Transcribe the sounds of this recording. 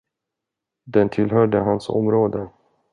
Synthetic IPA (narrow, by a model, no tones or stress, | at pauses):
d̪ɛnt̪ʰɪlɦœːɖəɦansɔ̰mɾoːd̪ə